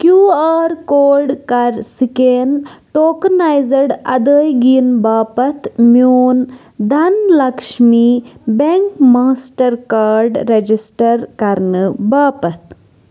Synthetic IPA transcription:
kjuːaːɾkoːɾɖkɐɾsikeːnʈoːknaːjzɐɖɐ̰d̪əːjɡiːnbaːpɐt̪ʰmjuːn | d̪ʱɐnlɐkʂmibeŋkmaːsʈɐɾkaːɾɖːed͡ʒisʈɐɾkɐɾnɨbaːpɐt̪̚ʰ

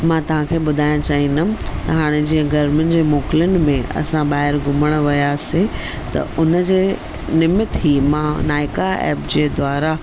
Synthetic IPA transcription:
mãt̪ɐʋ̤ãkʰeːɓʊd̪ʱaːj̃t͡ɕaːɦinʊt̪ɐɦaːɽ̃ɪd͡ʑĩːə̃ɡɐɾmɪnɪ̆d͡ʑeːmoːkɪljʊnɪ̆mẽɐ̰sãɓaːɦɪɾɡʱʊməɽ̃̆ʋɐjasẽ | t̪ɐ̰ʊnəd͡ʑeː | nɪmɪt̪ɦiːmãːnaːɪkaɛ̰ːpd͡ʑeːd̪ʱwaːɾa

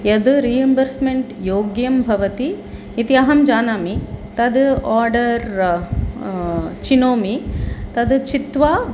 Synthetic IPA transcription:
jɐd̪ɾiːjɐmbɐɾsmeɳʈjoːɡjɐmbʱɐʋɐt̪iː | t̪iɐɦɐmd͡ʒaːnaːmit̪ɐd̪aːɾɖɐɾ | t͡ʃinoːmit̪ɐd̪t͡ʃit̪ʋaː

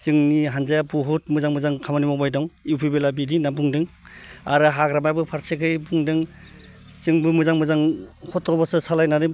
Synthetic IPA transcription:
sɯŋniɦanzajapuɦut̚mɯzaŋmɯzaŋkʰamanimɔbajdɔŋiwpʰibelabidinabuŋdɯŋ | aɾɯɦaɡɾamajbɯpʰaɾsʰekʰɯjbuŋdɯŋ | sɯŋbɯmɯzaŋmɯzaŋhɔtʰɔbasɯsalajnadɯ

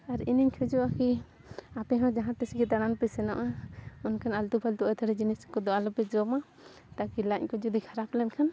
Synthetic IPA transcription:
aɾiniɲkʰɛd͡ʒɔʔaki | apɛɦɔ̃d͡ʒaɦãt̪ɛsiɡit̪aɽ̃anpɛsɛnɔ̰ʔaɔnkʰanalt̪upʰalt̪uʔajt̪ʰaɾɛd͡ʒiniskɔd̪ɔʔalɔpɛd͡ʒɔma | t̪akilaɲkɔd͡ʒɔd̪ikʰaɾaplɛnkʰan

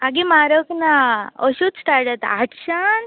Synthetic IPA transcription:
aɡimaɾəknaəɕud̪sʈaɾʈət̪aʈɕan

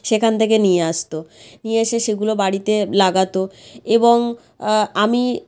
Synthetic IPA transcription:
ʃekʰant̪ʰek̬enijeaʃt̪onijeeʃeʃeɡulobaɽit̪elaɡat̪oeboŋ | ami

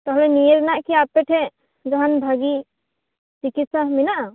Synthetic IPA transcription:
t̪ɔɦlɛnijeɾɛnaʔkiapːɛʈʰɛ | ɡaɦanbʱaɡi | tikisãɦminaʔa

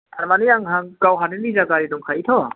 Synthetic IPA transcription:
aɾmanijaŋɦaŋɡawɦaninizaɡaɾidɔŋkʰaitʰɔ

